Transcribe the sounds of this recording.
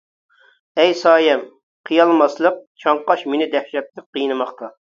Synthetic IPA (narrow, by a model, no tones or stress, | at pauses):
ɛjsɑːjɛm | qʰijɑlˠmɑslˠəq̚t͡ʃʰɑɴqɑʃmenɪd̪ɛhʃɛt̪̚t̪ɪqːijnɨmɑχt̪ʰɑ